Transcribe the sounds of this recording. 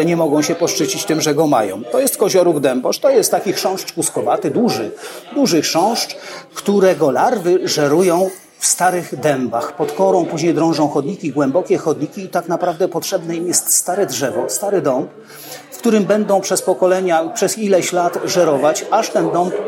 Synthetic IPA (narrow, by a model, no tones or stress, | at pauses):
ɛɲɛmɔɡɔ̃w̃ɕɛpɔʂt͡ʂɘt͡ɕit͡ɕt̪ɘmʐɛɡɔma̰jɔ̰̃w̃t̪ɔjɛst̪kɔʑɔɾuɡd̪ɛmbɔʂt̪ɔjɛst̪ːakʲixʂɔ̃w̃ʂt͡ʂkuskɔvat̪ɘd̪uʐɘd̪uʐɘxʂɔ̃w̃ʂt͡ʂkt̪uɾɛɡɔlaɾvɘʐɛɾujɔ̃w̃ | fst̪aɾɘɣd̪ɛmbaxpɔt̪kɔɾɔ̃w̃puʑɲejd̪ɾɔ̃w̃ʐɔ̃w̃xɔd̪ɲikʲiɡwɛmbɔkʲɛxɔd̪ɲikʲiːt̪aknapɾavd̪ɛpɔtʂɛbnɛimjɛst̪st̪aɾɛdʐɛvɔst̪aɾɘd̪ɔmp | fkt̪uɾɘmbɛnd̪ɔ̃w̃pʂɛspɔkɔlɛɲapʂɛzilɛɕlat̪ʐɛɾɔvat͡ɕaʂt̪ɛnd̪ɔmp